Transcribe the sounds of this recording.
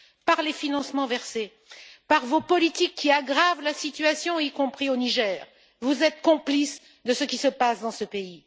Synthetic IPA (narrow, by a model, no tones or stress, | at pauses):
paʁlefinɑ̃smɑ̃vɛʁse | paʁvopɔlit̪ikʰːiaɡʁavlasit̪yasjɔ̃ikɔ̃pχioniʒɛːʁ | vuzɛt̪kɔ̃plis | d̪əsəkʲisəpasd̪ɑ̃səpei